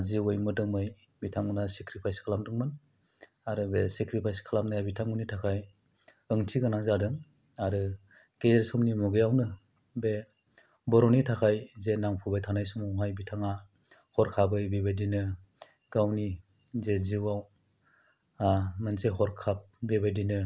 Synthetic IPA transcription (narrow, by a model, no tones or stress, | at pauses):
ziwɯjmɯdɯŋmɯj | bitʰaŋunasekɾipʰajskʰalamdɯŋmɯn | aɾɯbesekɾipʰajskʰalamnajabitʰaŋunitʰakʰaj | ɯŋtʰiɡɯnaŋzadɯŋ | aɾɯ | kejeɾsɔmnimɔɡɯjawnɯ | be | bɔɾɔnitʰakʰajzenaŋpʰɔbajtʰanajsumawɦajbitʰaŋa | hɔɾkʰabɯjbebajdinɯ | ɡ̥awni | zeziwaw | amɯnseɦɔɾkʰap̚bebajdinɯ